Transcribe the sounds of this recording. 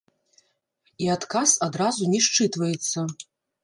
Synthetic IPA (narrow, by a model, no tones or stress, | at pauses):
iat̪kasad̪ɾazunʲɛʂt͡ʂɨt̪vɐjɛt̪sːɐ